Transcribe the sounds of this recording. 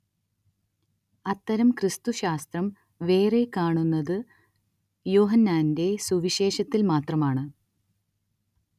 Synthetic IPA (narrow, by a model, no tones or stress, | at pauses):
ɐt̪ːɐɾɐmkrɨst̪uɕaːst̪rɐm | ʋe̞ːrekaːɳunːɐðɨ | jo̞ːɦɐnːaːnde̞suʋiɕe̞ːɕɐt̪ːilmaːt̪rɐmaːɳɨ